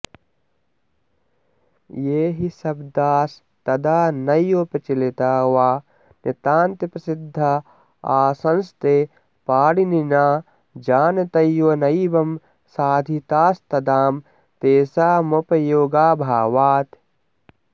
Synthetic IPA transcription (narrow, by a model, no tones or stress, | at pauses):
jeːɦisɐbd̪aːs | t̪ɐd̪aːnɐjoːpɐt͡ʃilit̪aːwaː | net̪aːnt̪ɐpɾɐsid̪ʱːɐ | aːsɐnst̪eː | paːɽininaː | d͡ʒaːnɐt̪ɐjonɐjibɐm | saːd̪ʱit̪aːst̪ɐd̪aːm | t̪eːsaːmopɐjoːɡaːbʱaːwaːt̪